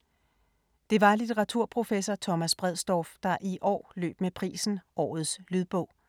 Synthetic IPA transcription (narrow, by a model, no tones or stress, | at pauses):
d̥e̝ʋɑ̈lit͡sʰeʁɑ̈t͡sʰuɐ̰pʰʁo̝fesɒt͡sʰɒ̽mæsb̥ʁɛð̞̰ˠsd̥ɒfd̥ɑ̈ʔiʔɒ̰ːlø̰ːb̥mepʰʁḭːsn̩ʔɒ̰ːð̞̩ˠslyðˠb̥ɔ̽ʊ̰